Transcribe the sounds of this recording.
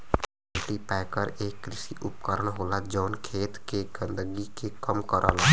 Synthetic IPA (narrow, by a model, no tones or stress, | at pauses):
eʈipɛːjkəɾeːkːɾɪsiʔʊpkəɾəɳɦoːlad͡ʒɔːnkʰeːt̪keɡə̃nd̪əɡikekəmkəɾʔaːla